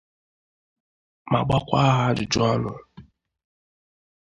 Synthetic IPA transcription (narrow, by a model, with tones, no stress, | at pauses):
ma˨ɡ͡ba˦kʷa˦ɦa˦d͡ʒɪ˨d͡ʒɔ˦nʊ˨